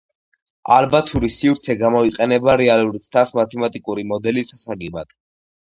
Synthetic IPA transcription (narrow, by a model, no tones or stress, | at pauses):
a̰lbat̪ʰuɾisivɾt̪sʰɛɡamɔiqʼɛnɛbaɾɛaluɾit̪sʰt̪ʰasmat̪ʰɛmat̪ʼikʼuɾimɔd̪ɛlisasaɡɛba̰d̪̥